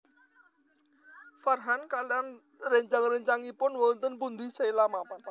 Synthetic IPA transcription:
farɦankalan | reɲt͡ʃaŋrəɲt͡ʃaŋipʊnwɔnt̪ənpund̪isejlamapa

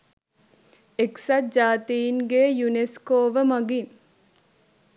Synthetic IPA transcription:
eksad͡ʒaːt̪iiŋɡeːjuneskoːʋəmaɡin

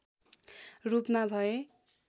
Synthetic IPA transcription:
rupmabʱʌe

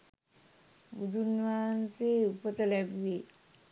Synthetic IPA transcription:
bud̪ʱunʋaːnseupət̪ɐlɛbʋe

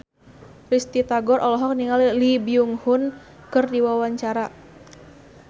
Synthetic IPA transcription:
rist̪it̪aɡɔrʔɔlɔɦɔk̚niŋalilibiuŋhun | kɨrdiwawaɲt͡ʃaɾa

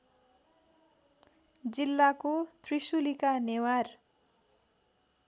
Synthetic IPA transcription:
d͡zilːakot̪risulikanewar

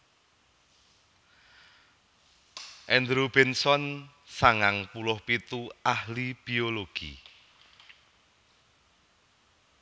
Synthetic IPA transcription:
ʔɛnd̪ɾub̥ɛnsɔn | saŋaŋpulʊhpit̪uahlib̥ioloɡ̥ḭ

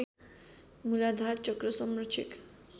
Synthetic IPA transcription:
mulad̪ʱaɾt͡ɕɔkɾosɔmɾot͡ʃʰḭk

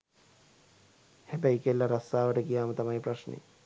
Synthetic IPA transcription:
hebɐjkelːɐɾɐsaːʋɐʈɐkijaːmɐt̪ɐmɐjipɾɐʂnḭ

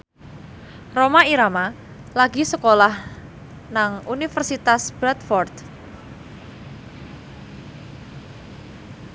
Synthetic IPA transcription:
romaiɾama | laɡisəkolah | naŋunifərsit̪asb̥ɾɛt̪fɔrt̪

